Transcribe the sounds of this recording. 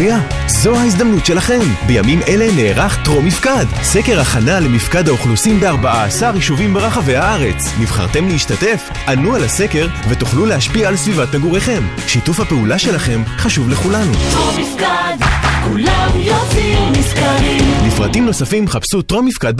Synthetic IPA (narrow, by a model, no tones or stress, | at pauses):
ija | zo̞haiz̬d̪amnutʃe̞laχe̞mbe̞jamimʔe̞le̞neːʁaχt̪ʁo̞mifkad | se̞ke̞ʁaχanalemifkad̪haoχlusimbeaʁbaʔaːsaʁiʃuvimbe̞ʁaχave̞jhaaʁe̞t͡snivχa̰ʁt̪e̞mleiʃtat̪e̞f | anualase̞ke̞ʁve̞t̪uχluleaʃpiaːlsvivat̪naɡuʁe̞χe̞m | ʃitufhapeulaʃe̞laχe̞mχaʃuvle̞χulanuomfkadkulamjoviniskaimlifʁa̰timno̞safimːχapsutʁo̞mifkad̪̚b